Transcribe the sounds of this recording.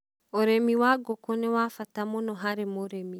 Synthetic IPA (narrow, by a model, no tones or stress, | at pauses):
oɾemiwaɡokonewafatamonɔɦaɾemoɾemi